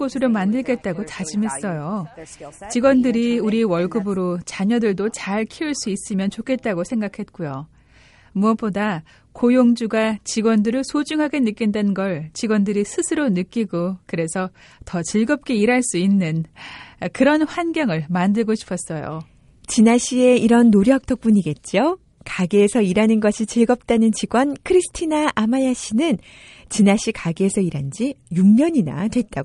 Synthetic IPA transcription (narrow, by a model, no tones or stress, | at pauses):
kosʰɯɾomandɯɭɡe̞t̚t͈aɡot͡ɕad͡ʑimɦe̞s͈ʌjo | t͡ɕiɡwʌndɯɾiuɾiwʌɭɡɯbɯɾot͡ɕaɲʌdɯɭdot͡ɕaɭkʰiuɭs͈uis͈ɯmjʌnt͡ɕokʰe̞t̚t͈aɡosʰe̞ŋɡakʰe̞t̚k͈ujo | muʌp͈oda | kojoŋd͡ʑuɡat͡ɕiɡwʌndɯɾɯɭsʰod͡ʑuŋɦaɡe̞nɯk͈indwenɡʌɭt͡ɕiɡwʌndɯɾisʰɯsʰɯɾonɯk͈iɡokɯɾe̞sʰʌ | tʌt͡ɕiɭɡʌp̚k͈e̞iɾaɭs͈uinːɯn | kɯɾʌnɸwanɡjʌŋɯɭmandɯɭɡoɕʰi̥pʰʌs͈ʌjo̰ | t͡ɕinaɕʰie̞iɾʌnːoɾjʌk̚t͈ʌk̚p͈uɲiɡe̞t̚t͡ɕ͈io | kaɡeːsʰʌiɾanɯnɡʌɕʰit͡ɕiɭɡʌp̚t͈anɯnt͡ɕiɡwʌnkʰɯɾisʰɯ̥tʰinaʔamajaɕ͈ʰinɯn | t͡ɕinaɕʰikaɡeːsʰʌiɾand͡ʑijuŋɲʌɲina̰twe̞t̚t͈a